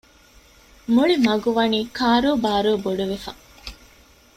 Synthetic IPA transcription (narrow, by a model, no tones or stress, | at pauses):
muɭimɐɡuʋɐniːkaːɾoːbaːɾoːboɖuʋefɐ̰